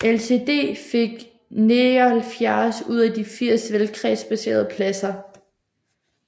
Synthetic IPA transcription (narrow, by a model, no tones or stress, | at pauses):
else̝ːd̥e̝̰ːfe̝ɡ̥ | ne̝hælfjæsuð̞̰ˠæd̥ifiɐ̰sʋelkʰʁɛ̰sb̥æse̝̰ːɐð̞ˠpʰlæsɐ